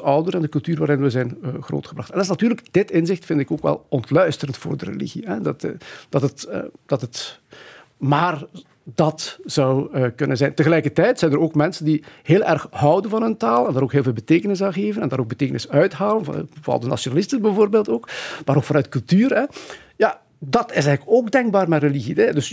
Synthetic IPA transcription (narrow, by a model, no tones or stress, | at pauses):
ɔwdəɾɛndəkɵlˠtyːrʋaːɾɪnʋəzɛjnɣro̰ːtxəbrɑxtɛndɪsnatyːrləkd̥ɪtɪnzɪxtfɪndɪkoːkʋɛ̰lˠɔntlœɥstəɾəntfo̰ːrdərḛlḭɣiɦɛdtːd̥ɑtətə̰d̥ɑtət | maːr | dɑtz̥ɑwəkɵnənzɛjntəɣəlɛjkərtɛjtsɛjnəɾoːkmɛnsəndiheːlˠʔɛrxɦʌwdənvɑnəntaːlˠɛndaːɾoːkɦeːlˠveːlˠbəteːkənɪs̬aɣeːvənɛndaːɾoːɡ̚bəteːkənɪsœɥtɦaːwənvoɑ̰lˠdəna̰sjonalɪstənbɛvoːrbeːlˠtoːkmaːɾoːkfɑnœɥtkɵlˠtyːɾɛ | ja | dɑtɪsɛjɣələkoːɡdɛŋɡ̚baːrmɛrəliɣidɛdɵs